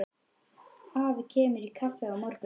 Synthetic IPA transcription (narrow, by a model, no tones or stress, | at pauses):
aːvcʰɛːmʏɾikʰafːɛawmɔr̥p